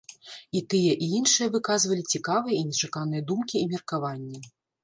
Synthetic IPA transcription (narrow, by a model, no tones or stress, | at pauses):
it̪ɨjɛʔiinʂɨjɐvɨkazvɐlʲit͡sʲikavɨjɐinʲɛt͡ʂakanɨjɐd̪umkʲiːmʲirkavanʲːɛ